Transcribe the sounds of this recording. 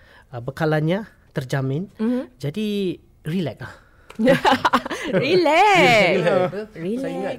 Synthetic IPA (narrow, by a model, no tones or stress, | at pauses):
əbəkalanɲa | t̪ərd͡ʒamɪnd͡ʒadi | rilɛk̚lah | ɹilɛ | ɹi